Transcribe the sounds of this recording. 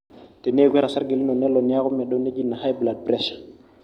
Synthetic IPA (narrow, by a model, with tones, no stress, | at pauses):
te˨ne˦˨ɡʷwɛ˦ɾa˨sa˦ɾɡe˨lme˨nɛ˦lɔ˨nja˦ku˦mɛ˨ɗɔ˦ne˦d͡ʒi˦nːa˨ha˦jbla˨d̚pɾɛ˦ʃ